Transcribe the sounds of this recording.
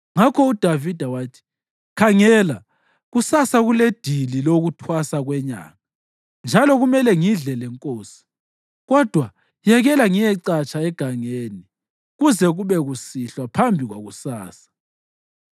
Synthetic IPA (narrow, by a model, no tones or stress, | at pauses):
ŋakʰɔud̥ʱavid̥ʱawaːtʰi̥ | kʰaŋɛːla | ɣusasaɣuled̥ʱililoɣutʰwasaɣwɛɲa̰ːŋa | nd͡ʒʱalɔɣumɛlɛŋiɮɛlɛŋkʼoːsi̥ | ɣɔd̥ʱwa | jɛɣɛlaŋijɛǀat͡ʃʼaɛɡ̥ʱaŋeːni | ɣuzɛɣuβɛɣusiɬwapʰambʱiɣwa̰ɣusaːsḁ